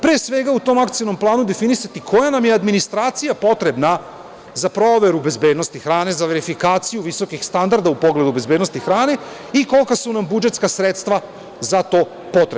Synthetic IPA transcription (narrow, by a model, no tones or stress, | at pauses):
pɾiesʋe̞ɡaut̪o̞makt̪sijono̞mplˠaːnud̪e̞finisat̪ikʰo̞janamjead̪minist̪ɾaːt̪sijapo̞t̪ɾe̞bna | zapɾo̞ːʋe̞ɾube̞zbe̞ːd̪no̞st̪ixɾaːne̞zaʋe̞ɾifikaːt̪sijuʋiso̞kixst̪and̪aɾd̪aupo̞ɡle̞d̪ube̞zbed̪nost̪ixɾaːne̞ | iko̞lkasunambud͡ʒe̞t̪skasɾe̞t̪st̪ʋa | zat̪o̞ː | po̞t̪ɾeb